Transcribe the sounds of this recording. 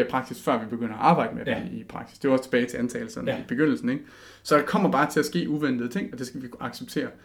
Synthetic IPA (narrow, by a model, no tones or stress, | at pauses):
pʰʁɑ̈ɡ̥̚sisfɶɐ̰ʋib̥e̝ɡ̥øn̰ɐɒɑ̈ːb̥ɑ̈ɪ̰d̥əme̥iipʰʁɑ̈ɡ̥si̥sd̥e̝ʋɑɒst͡sʰe̝̥b̥ɛːt͡sʰe̝ʔænt͡sʰɛːləsɒ̽d̥nib̥e̝ɡ̥øn̰l̩sn̩eɡ̥ | sɒ̽d̥ɑkʰɒ̽m̰ɐb̥ɑ̈ːt͡sʰe̝æsɡ̥e̝̰ːuʋen̰d̥ð̩ˠt͡sʰe̝ŋ̰ɒ̽d̥e̝sɡ̥æʋiɑ̈ɡ̥seb̥̚t͡sʰe̝̰ːɐ